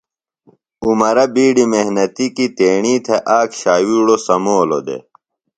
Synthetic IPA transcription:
umɐɾɐbiːɖimehnɐt̪ikit̪eːɳiːt̪ʰeʔaːkɕaːwiɽosɐmoːlo̰d̪ḛ

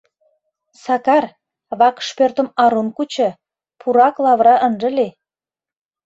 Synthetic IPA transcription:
sɑkɑr | βɑkʃpørt̪ə̆mɑɾunkut͡ɕɤ̆ | pʰuɾɑklɑβɾɑʔənʒə̆le

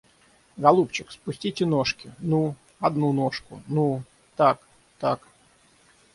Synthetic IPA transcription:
ɡɐlˠupt͡ɕɪkspʊsʲtʲitʲɪnoʂkʲɪnu | ɐd̪nunoʂkʊ̰nu | t̪ak | t̪ak

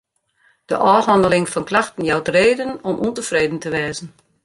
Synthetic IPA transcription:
d̥əʔɔːɦɔndəlɪŋfɔnklaxtən̩jawtreːdənɔmʔuntəfreːdən̩təʋɛːzən̩

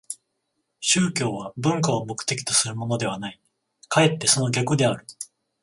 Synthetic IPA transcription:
ɕɨːkʲo̞ːβ̞abɯ̟̃ŋkao̞mo̞kɯ̥t̪e̞kʲi̥t̪o̞̥sɨɾɯ̟mo̞no̞d̪e̞β̞anai | kae̞t̪ːe̞so̞no̞ɡʲakɯ̟d̪e̞aɾɯ̟

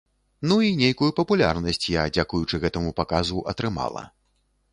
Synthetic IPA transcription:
nuinʲejkujupɐpulʲa̰rnɐsʲt͡sʲjad͡zʲakujut͡ʂɨɣɛt̪ɐmupakazuʔɐt̪ɾɨma̰lˠɐ̰

